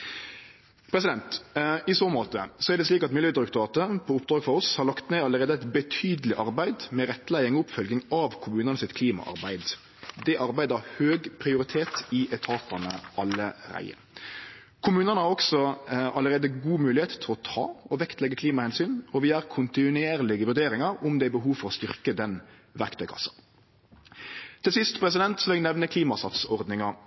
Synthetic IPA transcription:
pʰɾɛs̬ɪd̪ɛnt̪ɪsoːmoːt̪ə̰sɔæɾd̪ɛsliːkɑt̪mɪljøːd̪ɾʉkt̪ʊɾɑːt̪əpʰɔʊpd̪ɾɑːɡfɔɾɔshɑɾlɑkt̪neːɑlːəɾeːd̪əæɪt̪bət̪ʰyːd̪əlɪʔɑɾbæɪd̪mɛɾɛt̪ːlæɪɪŋɔʊpfœlɡ̪ɪŋɑʋkʰʊmʉːnənəsɪt̪kʰliːmɑ̰ʔɑ̰ɾbæɪd̪ | d̪ɛʔɑɾbæɪd̪əɾhøːɡpʰɾɪʊɾɪt̪ʰeːt̪ɪʔɛt̪ʰɑːt̪ɑnəʔɑlːəɾæ̰ɪə̰ | kʰʊmʉːnənəhɑʁɔksɔʔɑləɾeːd̪əɡuːmʉːlɪheːt̪t̪ʰɪlɔt̪ʰɑ̰ːɔʋɛkt̪lɛɡːəkʰliːmɑhɛnsyːnɔʋɪæɾkʰʊnt̪ɪnʉeːʁlɪɡəʋʉʁd̪eːɾɪŋɑɾʊmd̪ɛæbəɦuːfɔɾɔst̪ʏʁkəd̪ɛn | ʋæʁkt̪ʰœʏkʰɑ̰sːɑ̥n | t̪ʰɪlsɪst̪pʰɾɛs̬ɪd̪ɛnt̪sɔʋɛɡnɛʋnəkʰliːmɑsɑt̪sɔʁd̪nɪŋɑ

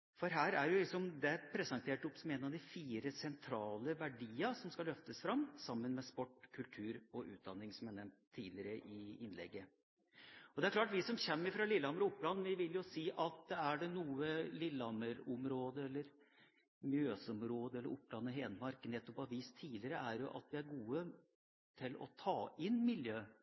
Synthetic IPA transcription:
fɔɾɦæːɾæɾjʊlɪksɔmd̪ɛpʰɾɛsɑnt̪ʰeːʈɔpːsɔmeːnɑʋd̪ɪfiːɾəsɛnt̪ʰɾɑːləʋæɖiːəʂɔmskɑlœft̪əsfɾɑmːsɑmːənmɛspɔʈːkʰʉlt̪ʰʉːɾɔʔʉ̰ːt̪̚d̪ɑnːɪŋsɔmjænɛmt̪ʰːiːlɪəɾəʔɪɪnlɛ̰ɡːə | ɔd̪ɛæɾkʰlɑːʈʋɪsɔmɕɛmːəɾɪfɾɑːlɪlːɑməɾɔʊpːlɑnːʋɪʋɪljʊsiːʔɑt̪̚d̪ɛæɖɛnuːəlɪlːɑməɾɔmɾoːd̪əɛlːəɾ | mjøːsɔmɾoːd̪əɛlːə̰ɾʔʊpːlɑnːəɦeːnmɑɾkənɛt̪ːɔpɑʋiːst̪ʰiːlɪəɾəʔæɾjʊʔɑ̰t̪ʋɪæɾɡuːə | t̪ʰɪlɔ̰t̪ʰɑːʔɪnmɪljøː

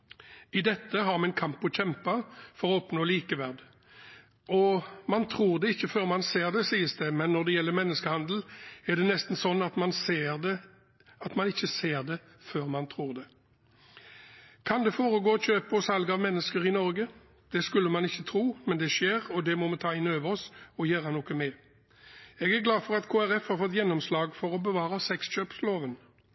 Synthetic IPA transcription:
ɪd̪ɛt̪ːəɦɑʁmɛɛnkʰɑmpːɔçɛmpɑfɔɾɔɔpnoːliːkəʋæʁd̪ | ʔɔmɑnt̪ʰʁuːʁd̪ɛɪçːəføːɾmɑnseːʁd̪ɛsiːəsd̪ɛmɛnːɔʁd̪ɛjɛlːəmɛnːəskəhɑnd̪l̩ɛʁd̪ɛnɛst̪n̩sɔnːɑt̪mɑnseːʁd̪ɛ | ɑt̪mɑnɪçːəseːʁd̪ɛ | føːʁmɑnt̪ʰɾuːʁd̪ɛ | kʰɑnd̪ɛfoːɾəɡoːɔçøːpəɔsɑlɡəɑʋmɛnːəskəɾɪnɔɾɡə | d̪̥ɛskʉlːəmɑnɪçːət̪ʰɾuːmɛnd̪ɛʃeːɾɔd̪ɛmɔmɛt̪ʰɑːɪnøːʋəɾɔsɔjøːɾənoːkəmɛ | ɛɡæɾɡlɑːfɔʁɑt̪kʰoːæɾɛfhɑɾfɔt̪ːjɛnːɔmslɑːɡfɔɾɔbəʋɑːɾəsɛksc͡çøːpsloːʋən

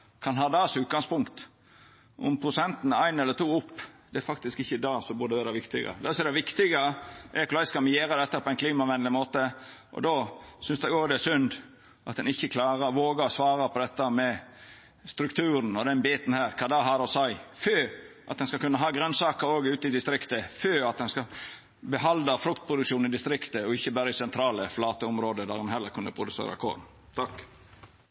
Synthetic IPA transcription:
kʰɑnɦɑːd̪ɑːsʉːt̪̚ɡɑŋspʊŋkt̪ | ʔʊ̰mpʰɾʊsɛnt̪nəæɪnɛlːət̪ʰuːʊpːd̪ɛæɾfɑk̚t̪ɪskɪçːəd̪ɑːsɔmbʉɖ̪ɛʋæːɾɑʋɪkt̪ɪ̰ɡə̰d̪ɛsɔɛɾd̪ɛʋɪkt̪ɪɡəʔɛkʊlæɪskɑmɪjeːɾəd̪ɛt̪ːəpʰɔɛɪnkʰliːmɑʋɛnlɪmoːt̪ə | ʔɔ̰d̪oːsʏnsd̪ɛɡoːɡd̪ɛsʏnd̪ | ʔɑt̪̚d̪ɛnɪçːəkʰlɑːɾəʋoːɡəɾɔsʋɑːɾəpʰɔd̪ɛt̪ːəmɛ | st̪ɾʉkt̪ʰʉːɾn̩ɔd̪ɛnbeːt̪n̩hæːɾkʰɑːd̪ɑːɦɑːd̪ɔsæɪføːʔɑ̰t̪̚d̪ɛnskɑlkʉnːəɦɑːɡɾœnsɑːkəɾoːɡʉːt̪ɪd̪ɪst̪ɾɪkt̪əføːɑt̪̚d̪ɛnskɑl | bɛɦɑld̪əfɾʉkt̪̚pʰɾʊd̪ʉkʃuːnɪd̪ɪst̪ɾɪkt̪əɔɪçːəbæːɾəɪsɛnt̪ʰɾɑːləflɑːt̪əʊmɾoːd̪əd̪æɾɛnɦɛlːəɾkʰʉnd̪əpʰɾʊd̪ʉsḛːɾɑ̰kʰo̰ːdn̩ | t̪ʰɑkː

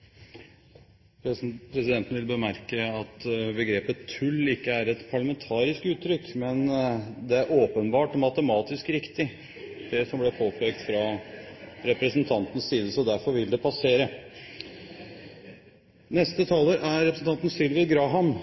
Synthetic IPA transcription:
pʰɾɛsɪd̪ɛnt̪n̩ʋɪlbəmæɾkəɑt̪bəɡɾeːpət̪ʰːʉlːɪkːəæɾɛt̪pʰɑɭɑmɛnt̪ʰɑːɾɪskʉːt̪ːɾʏkːmɛnd̪ɛæɾʔoːpənbɑːʈmɑt̪əmɑːt̪ɪskɾɪkt̪ɪ | d̪̥ɛsɔmblɛpʰoːpʰɛːɡt̪fɾɑ | ɾɛpɾəsn̩t̪ʰɑnt̪n̩ssiːd̪əsɔd̪æɾfɔɾʋɪld̪ɛpʰɑseːɾə | nɛst̪ət̪ʰɑːləɾʔæɾɾɛpɾəsn̩t̪ʰɑnt̪n̩sɪlʋɪəɡɾɑːɦɑm

